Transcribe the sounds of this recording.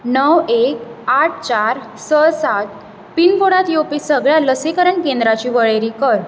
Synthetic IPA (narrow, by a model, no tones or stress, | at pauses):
nəwekaʈ̚ʰt͡ɕaɾsəsat̪̚ | pinkoɽat̪jopisəɡɭjaləsekəɾəɳkẽnd̪ɾat͡ɕiːʋəɭeɾikəɾ